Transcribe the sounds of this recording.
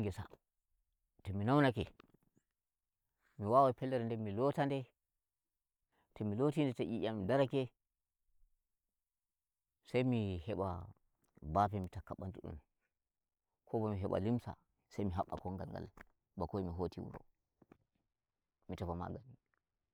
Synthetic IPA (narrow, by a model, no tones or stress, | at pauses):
ŋɡɛsa̰ | tɛminawnakɛ | miwawapɛlːɛɾɛndɛmilotandɛ | tɛmilotindɛtɛʔiʔammidaɾakɛ | sajmihɛɓa | bapɛmitakːaɓantuɗṵm | kʰɔbɔmiɦɛɓa̰limsa̰ | sajmiɦaɓːa̰kɔŋɡa̰lŋɡa̰l | bakoimiɦotiwṵɾɔ̰ | mitafama̰ɡami